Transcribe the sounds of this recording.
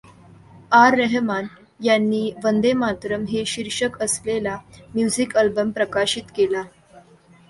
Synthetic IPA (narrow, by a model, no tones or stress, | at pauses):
aɾːəɦman | janːiːʋənd̪emat̪ɾəmɦeɕiɾʂəkəslelamjud͡zikəlbəmpɾəkaɕit̪kela